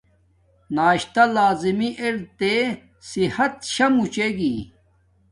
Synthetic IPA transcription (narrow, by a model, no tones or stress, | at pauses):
naːɕt̪alaːzimiʔeɾt̪e | sihɐt̪ɕɐmut͡ɕeɡi